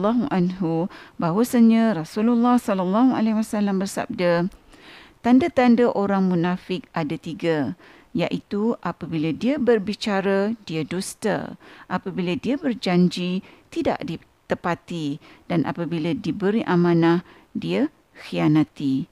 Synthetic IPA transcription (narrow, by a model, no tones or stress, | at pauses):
lːɔɦuʔanɦubawasaɲãrasululːɑhsɔlalːaɦua̰lɛwasalambərsa̰b̚da | t̪andat̪andaʔoɾaŋmunafɪk̚ʔadat̪iɡa | jaʔit̪uʔapabiladiabərbit͡ʃaɾadiadust̪a̰ʔapabiladiabərd͡ʒaɲd͡ʒit̪ida̰ʔdi | t̪əpat̪idanʔa̰pabiladibəɾiʔamãnah | dia | xianat̪i